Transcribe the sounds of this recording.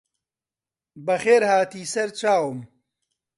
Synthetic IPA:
bɐxeːɾhaːt̪iːsɐɾt͡ʃaːwm

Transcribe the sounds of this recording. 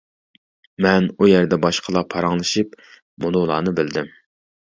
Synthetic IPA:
mɛnujæɾd̪ɛbɑʃqʰəlˠɑpʰɑɾɑŋlˠɨʃip | mulˠʊlˠɑ̰ːnɨbɪld̪ɪm

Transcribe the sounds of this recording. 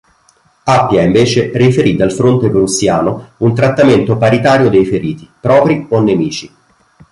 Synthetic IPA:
apːjaiɱveːt͡ʃerifeɾid̪alfɾont̪epɾusːjaːnount̪ɾat̪ːament̪opaɾit̪aːɾjod̪ejfeɾiːt̪i̥pɾɔːpɾionːemiːt͡ʃi

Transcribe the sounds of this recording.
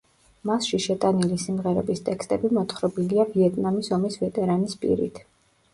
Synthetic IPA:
masʃiʃɛt̪ʼanilisimʁɛɾɛ̰bist̪ʼɛkst̪ʼɛbimɔt̪χɾɔbiliaviɛt̪ʼnamisɔmisvɛt̪ʼɛɾanispʼḭɾḭt̪ʰ

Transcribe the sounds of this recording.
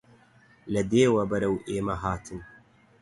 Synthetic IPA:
lɐd̪eːwɐbɐɾɐwʔeːmɐɦaːt̪ʰɨn

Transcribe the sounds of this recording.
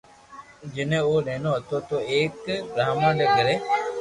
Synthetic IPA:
d͡ʒɪnẽːoːɗẽːnõːɦət̪oːt̪oːeːkɾaːmãːɖeːɡəɾeː

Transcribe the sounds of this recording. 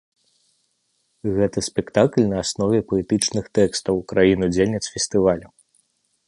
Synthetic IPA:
ɣɛt̪ɐsʲpʲɛkt̪aklʲnɐːsnɔvʲɛpɔɛt̪ɨt͡ʂnɨxt̪ɛkst̪ɐwkɾajinud͡zʲelʲnʲɛt̪sfʲɛsʲt̪ɨvalʲɐ

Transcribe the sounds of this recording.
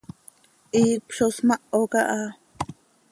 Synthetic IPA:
ʔiːpʃosmɑʔokɑʔa

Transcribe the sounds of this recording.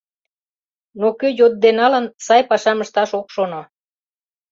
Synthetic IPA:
nokøjot̪̚d̪enɑlənsɑjpɑʃɑməʃt̪ɑʃokʃono

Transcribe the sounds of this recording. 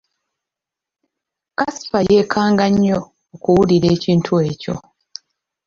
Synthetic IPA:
kasi̥faje̞ːkʰaːŋɡaɲːoː | kuwuliɾe̞ːciːntʰue̞ːco̞̰

